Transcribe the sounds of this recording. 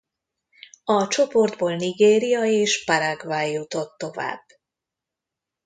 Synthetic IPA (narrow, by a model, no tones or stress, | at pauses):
ɒt͡ʃo̞po̞rd̪boːlniɡeːɾijɒeːʃpɒɾaɡvaːjːut̪o̞t̪ːo̞va̰ːb̥ː